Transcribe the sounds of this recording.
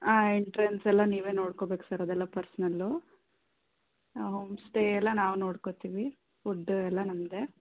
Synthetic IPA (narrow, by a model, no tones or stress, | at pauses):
aːiɳʈɐɾensɛlːɐniːʋe̞ːno̞ːɽkobe̞ːku̥sɐɾod̪ɛlːɐpɐɾsɐnɐlːu | ɦoːmsʈeɛlːɐnaːʋuno̞ːɽkot̪iːʋi | fuɖːɛlːɐnɐmːd̪e̞